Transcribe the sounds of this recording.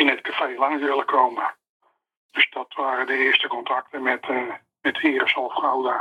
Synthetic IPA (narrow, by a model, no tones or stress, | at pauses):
ɪnətkafejlɑŋsʋɪlˠəkʰowmə | d̥øsdɑtʋaːɾədəɪəɹstəkɔntrɑk̚təmɛt | mɛtʰɪːrəsɔlˠfχawdə